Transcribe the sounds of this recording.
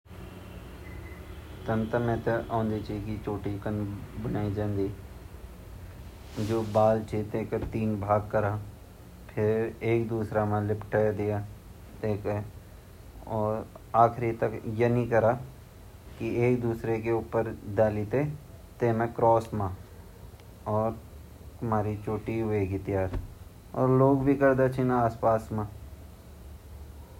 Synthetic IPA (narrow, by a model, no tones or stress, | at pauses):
t̪ənt̪əɾmẽːt̪eʔãːnd̪it͡ʃʰiːkit͡ʃoːʈikənbənaːid͡ʒãːnd̪iː | d͡ʒoːbaːlt͡ʃʰit̪eːkəɾt̪iːnbʱaːɡ̚kəɾaː | pʰɪɾeːkd̪uːsɾamãːlɪpʰʈad̪ɪjaː | t̪eːkə | ɔːɾaːxɾit̪ɐkjɐnĩkɐɾa | kieːk̚d̪uːsɾekeuːpəɾd̪aːlit̪e | t̪eːmẽkɾɔːsmã | ɔːɾ | t̪ʊmaːɾit͡ʃoːʈiɦʊeɡit̪ɪjaːɾ | ɔːɾloːɡbʱikɐɾd̪at͡ʃʰinaaːspaːsmã